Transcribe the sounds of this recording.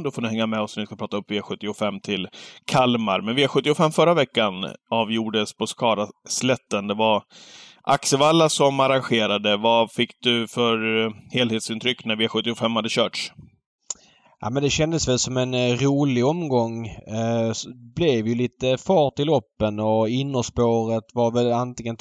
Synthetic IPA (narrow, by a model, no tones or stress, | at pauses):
d̪ɔfoːnɪhɛŋːamɛɔsnvɪskapʰɾɑːt̪aɵpːveːɧɵt̪ːɪʊfɛmːt̪ʰɪlkʰalmaɾmɛnvɪaɧɵt̪ːɪʊfɛmːfœɾːavɛkːanɑːvjuːɖəspʰɔskɑːd̪aslɛt̪ːənd̪ɛvaɾʔaksəvalːasɔmaɾanɧeːɾad̪əvafɪkːd̪ɵfœɾheːlheːt̪sɪnt̪ʰɾʏkːnæɾvɪɧɵt̪ːɪʊfɛmːhad̪ːəɕœːʈʂ | ʔa̰ːmɛnd̪ɛɕɛnd̪əsvɛlsɔmɛnɾuːlɪɔmɡɔŋː | blɛvjɵliːt̪əfɑːʈɪlɔpːənɔɪnːɔspoːɾət̪vaɾvɛlant̪ɪŋən